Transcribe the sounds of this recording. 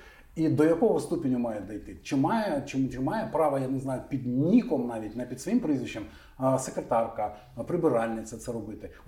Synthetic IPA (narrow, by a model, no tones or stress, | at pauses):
id̪ɔjɐkɔɦɔst̪upʲɪnʲʊmɑjɛd̪ɐjt̪ɪt͡ʃɪmɑjɛt͡ʃɪt͡ʃɪmɑjɛpɾɑʋɐjaneznɑjʊpʲid̪nʲikɔmnɑʋʲitʲnɐpʲid̪sʋɔjimpɾɪzʲʋʲit͡ʃːɛm | sekɾet̪ɑrkɐ | pɾɪbɪɾɑlʲnɪt̪sʲɐt̪sɛɾɔbɪt̪ɪ